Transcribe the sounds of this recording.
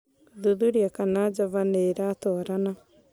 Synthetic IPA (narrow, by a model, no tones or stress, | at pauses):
ðuðuɾiakanad͡ʒaβaneɾatɔɾana